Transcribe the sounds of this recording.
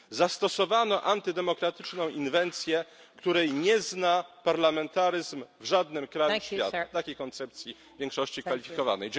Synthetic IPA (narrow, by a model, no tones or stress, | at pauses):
zast̪ɔsɔvanɔʔant̪ɘd̪ɛmɔkɾat̪ɘt͡ʂnɔ̃w̃ʔinvɛnt̪sʲjɛ | kt̪uɾɛjɲɛznapaɾlamɛnt̪aɾɘzmvʐad̪nɘmkɾajuɕʲja̰t̪at̪akʲejkɔnt̪sɛp̚t̪sʲji | vʲjɛŋkʂɔɕt͡ɕikfalʲifʲikɔva̰nɛj